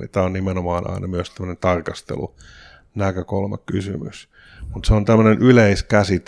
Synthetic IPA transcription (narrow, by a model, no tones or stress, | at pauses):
ḭt̪æːonnimenomɑːnʔɑ̰inɑmyøst̪æmːøənent̪ɑrkɑst̪ḛlṵ | nækøkolmɑ̰kkysy̰my̰s | mut̪seont̪æmːənenʔyleiskæsit̪